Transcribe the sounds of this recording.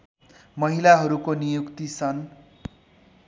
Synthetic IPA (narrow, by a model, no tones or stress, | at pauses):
mʌɦilaɦʌɾukonijukt̪isʰʌn